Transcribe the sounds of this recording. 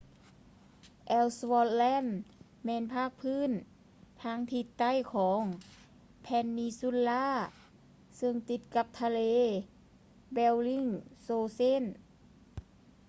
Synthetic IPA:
ʔɛː˧wswɔː˧t̪̚lɛː˧˥˨n | mɛː˧˥˨npʰaː˥˩k̚pʰɯː˧˥˨n | t̪ʰaː˧˥˨ŋt̪ʰi˧t̪ːa˧˥˩jkʰɔː˩˦ŋ | pʰɛː˧˥nːiː˧˥su˧˥˨nlaː˧˥˨ | sɯ˧ŋt̪i˧˩t̪̚ka˧p̚t̪ʰa˧leː˧˥ | bɛ˧wli˧˥˨ŋsoː˧se˥˨n

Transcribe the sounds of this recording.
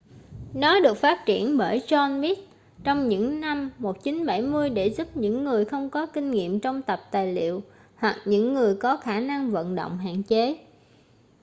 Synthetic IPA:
nɔ˨˦ɗɨ˨˩ək̚faː˦˥t̚t͡ɕi˧˩ənɓəː˧˩jzɔ˧nmi˦˥t̚ | t͡ɕɔ˧wŋ͡mɲɨ̰˧˥ŋna˧mːo˨˩t̚t͡ɕi˨˦nɓa˧˩jmɨ˧əjɗe˧˩zu˦˥p̚ɲɨ̰˧˥ŋːɨ˨˩əjxə˧wŋ͡mkɔ˨˦ki˧ŋ̟ŋḭ˧˨əmt͡ɕɔ˧wŋ͡mt̪ə˨˩p̚t̪aː˨˩jlḭ˧˨əw | hwa˨˩k̚ɲɨ̰˧˥ŋːɨ˨˩əjkɔ˨˦xaː˧˩na˧ŋvə̰˧˨nɗo̰˧˨wŋ͡mɦa̰ː˧˨nt͡ɕe˨˦

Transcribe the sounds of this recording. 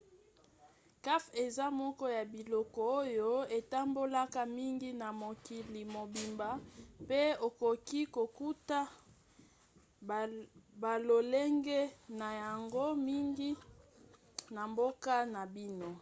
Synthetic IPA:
ka˦fe˨za˦mɔ˦kɔ˦ja˨bi˨lɔ˨kɔ˨o˦jo˦e˨ta˦mbo˦la˦ka˦mi˦ŋɡi˦na˨mo˨ki˨li˨mo˨bi˨mba˨pe˦o˨ko˨ki˦ko˨ku˦ta˦ | ba˨lo˨le˦ŋɡe˦na˨ja˨ŋɡo˦mi˦ŋɡi˦ | na˨mbo˦ka˦na˨bi˦no˦

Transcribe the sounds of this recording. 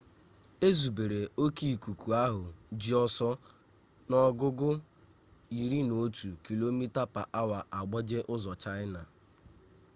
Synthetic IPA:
e˦zu˨be˨ɾe˨o˦ki˦˨ku˨ku˨a˦ɦʊ˨d͡ʒi˦ɔ˦sɔ˦ | nɔ˦ɡʊ˦ɡʊ˦ | i˨ɾi˦no˨˦tu˨ki˨lo˦mi˦ta˦pa˨ʔa˦wa˨ʔa˨ɡ͡bɔ˦d͡ʒe˦ʔʊ˦zɔ˨t͡ʃa˦ɪ˦na˨

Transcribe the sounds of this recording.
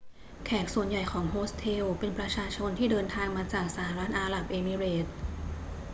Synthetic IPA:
kʰɛː˨˩k̚su˨˩ənja˨˩jkʰɔː˩˦ŋɦoː˦˥st̪ʰeː˧wpe˧npɾa˧t͡ɕʰaː˧t͡ɕʰo˧nt̪ʰiː˥˩dɤː˧nt̪ʰaː˧ŋmaː˧t͡ɕaː˨˩k̚saː˩˦ɾa˦˥t̪̚ʔaː˧ɾa˨˩p̚ʔeː˧mi˧ɾeː˨˩t̪̚

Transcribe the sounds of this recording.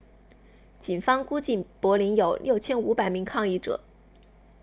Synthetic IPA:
t͡ɕi˨˩nfɑ˥ŋku˥t͡ɕi˥˩npwɔ˧˥li˧˥njo˨˩ʊljo˥˩ʊt͡ɕʰjɛ˥nu˧˥pa˨˩ɪmi˧˥ŋkʰɑ˥˧ŋi˥˩ʈ͡ʂɤ̰˨˩˦

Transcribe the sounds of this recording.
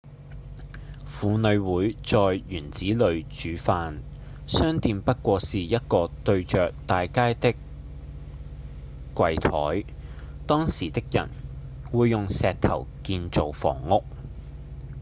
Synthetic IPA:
fuː˨˧nɵ˨˧ɥwuː˨˧˥jt͡sɔː˨˧jɥyː˨˩nt͡siː˨˥lɵ˨˧ɥt͡ʃyː˨˧˥faː˧n | sœː˥ŋt̪iː˧mpɐ˥t̚kʷɔː˧siː˨jɐ˥t̚kɔː˧t̪ɵ˧ɥt͡ʃœː˨k̚t̪aː˨jkaː˥jt̪ɪ˥k | kːʷɐ˧jt̪ʰɔː˨˥jt̪ɔː˥ŋsiː˨˩t̪ɪ˥k̚jɐ̰˨˩nwuː˨˧jːʊ˨ŋsɛː˨k̚t̪ʰɐ̰˨˩wkiː˧nt͡so˨wfɔ̰ː˨˩ŋːʊ˥k̚

